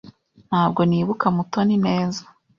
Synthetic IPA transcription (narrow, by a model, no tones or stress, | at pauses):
n̥haːb̚ɡo̞niːβukamutonine̞ːzḁ